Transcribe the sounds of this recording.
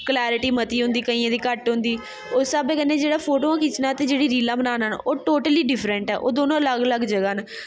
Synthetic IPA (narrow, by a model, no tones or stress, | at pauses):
klɛːɾɪʈiːmət̪iːɦʊ̃nd̪iːkəiːãːd̪iːkəʈɦʊ̃nd̪iː | osaːbeːkənːeːd͡ʒeːɽaːpʰoːʈoːãːkiːt͡ʃnaːt̪eːd͡ʒeːɽiːɾiːlãːbənaːnənoːʈoːʈəliːɖɪfʰɾəɳʈɛ̰ːʔo̰ːd̪oːnõːələɡələɡd͡ʒəɡaːnː